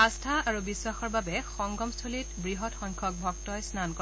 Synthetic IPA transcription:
astʰaaɹubiswaxɔɹbabɛxɔŋɡɔmstʰolitbɹiɦɔtxɔŋkʰɔk̚bʱɔktɔjsnankɔ

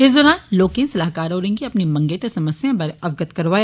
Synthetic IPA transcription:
ɪsd̪ɔːɾaːnloːkẽsɐlaːɦkaːɾɦoːɾẽːŋɡiɐpnimɐ̃ŋɡeːt̪esɐməsjẽbɐɾeɐʋɡət̪kɐɾʋaːj

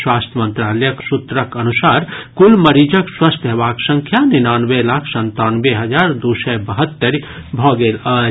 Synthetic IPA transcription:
swaːst̪ʰjəmə̃nt̪ɾaːljəksut̪ɾəkənusaːɾkulməɾid͡ʒəkswast̪ʰɦeʋaːksə̃ŋkʰjaninaːnʋelakʰsə̃nt̪aːnbeɦəd͡ʒaːɾd̪usɛbəɦət̪ːəɾbʱɔɡeːlə

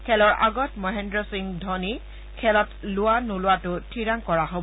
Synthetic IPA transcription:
kʰɛlɔɹʔa̰ɡɔtmɔɦɛndɹɔsiŋdʱɔni | kʰɛlɔtlʊwanʊlʊwatʊtʰiɹaŋkɔɹaɦob

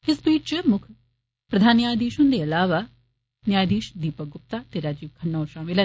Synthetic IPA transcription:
ɪsbiːt͡ʃt͡ʃmʊkʰ | pɾəd̪ʱaːnːjaːjd̪iːʃʊ̃nd̪eːəlaːʋaː | njaːjd̪iːʃd̪iːpəɡʊp̚t̪aːt̪eɾaːd͡ʒiːbkʰəɳːoːɾʃaːmɪlɛː

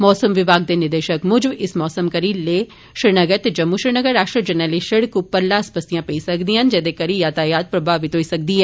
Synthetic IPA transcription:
mɔːsəmʋɪʋaːɡ̚d̪eːnɪɾd̪eːʃəkmʊd͡ʒbɪsmɔːsəmkɐɾiːleː | ʃɾɪɾnəɡəɾt̪eːd͡ʒɐmːuːʃɾɪɾnəɡəɾːaːʃʈɾid͡ʒənɛleʃɪɽkupəɾlaːspəst̪ijãːpeisəkd̪iːɦənd͡ʒɛːd̪eːkəɾijaːt̪aːjaːt̪̚pɾɐbaːʋit̪oːisɐk̚d̪iːɦɛː

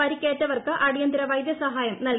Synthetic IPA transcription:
ɐɾikʲːeːtːɐʋɐrkɨʔɐɽijɐnd̪iɾɐʋɐjd̪jɐsɐɦaːjɐmnɐl

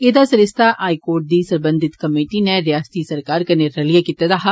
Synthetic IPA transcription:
eːd̪asɐɾɪst̪ʰaʔaːikoːɾʈ̚d̪iːsɐɾbə̃nd̪ʱɪt̪kɐmeːʈineɾijaːst̪isɐɾkaːɾkɐneɾɐlijakit̪ad̪aɦa

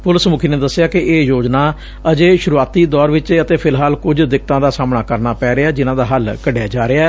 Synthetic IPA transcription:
pʊləsmʊkʰiːnẽːd̪əsːɪjaːkɪʔeːjoːd͡ʒnaː | əd͡ʒeːʃʊɾuaːt̪iːd̪ɔːɾʋɪt͡ʃːət̪eːpʰɪlɦaːlkʊd͡ʒd̪ɪk̚t̪ãːd̪aːsaːmnaːkəɾnaːpɛːɾeaːd͡ʒɪnãːd̪aːɦəlkəɖejaːd͡ʒaːɾeːa

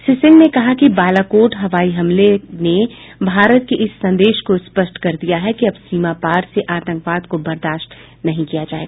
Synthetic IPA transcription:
sɪsɪ̃ŋɡnekɐɦakibaːlakoːʈɦɐʋaːiɦɐmlenebʱaːɾət̪̚keʔɪsːɐ̃nd̪eːʃkospəʃʈkɐɾd̪ijaɦɛkiɐbsiːmapaːɾseʔaːt̪ə̃ŋkʋaːd̪kobɐɾd̪aːʃʈ | nɐɦĩkijad͡ʒaːeɡaː

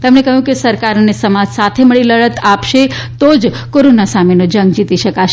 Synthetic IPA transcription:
t̪əmnekəɦjũkesəɾkaɾnesəmad͡ʒsat̪ʰeməɭiləɭət̪apʃet̪od͡ʒ | koɾonasamenod͡ʒəŋɡd͡ʒit̪iʃəkaʃe

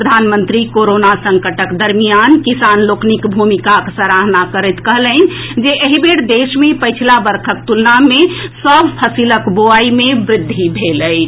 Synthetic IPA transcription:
ɾəd̪ʱanmənt̪ɾikoɾonasə̃ŋkəʈəkd̪əɾmijankisanloknikbʱumikaksəɾaɦnakəɾɛt̪kəɦlənd͡ʒeʔəɦibeɽd̪esmepəjt͡ʃʰilabəɾkʰəkt̪ulnamesəbʱpʰəsiləkboaimebɾɪd̪ʱːibʱeləɪt͡ʃʰ

